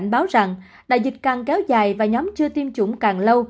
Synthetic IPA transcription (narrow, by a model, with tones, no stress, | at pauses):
jŋ̟ɓaː˨˦wza˨˩ŋ | ɗa̰ː˧˨jzï˨˩t̚kaː˨˩ŋkɛ˨˦wzaː˨˩jvaː˨˩ɲɔ˨˦mt͡ɕɨ˧ət̪i˧mt͡ɕʊ˧˩˦ŋ͡mkaː˨˩ŋlə˧w